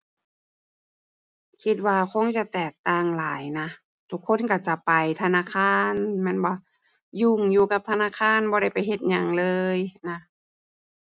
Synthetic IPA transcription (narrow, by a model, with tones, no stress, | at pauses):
kʰi˧t̪̚waː˧kʰo˧˥˨ŋt͡ɕa˧t̪ɛː˨˩k̚t̪aː˧˩˨ŋlaː˨˦jna˧˥ | t̪ʰu˧˥kʰːo˧˥˨nka˧˩t͡ɕa˧˩pa˨˩jt̪ʰa˧naː˧˥˨kʰaː˧˥˨nmɛ˧˥˨nbaː˧˩ | juː˧˩ŋjuː˧ka˧p̚t̪ʰa˧naː˧˥˨kʰaː˧˥˨nbɔː˧˦ɾa˥˩jpa˨jɦe˧˦t̪̚ɲa˧ŋlɤː˧jna˧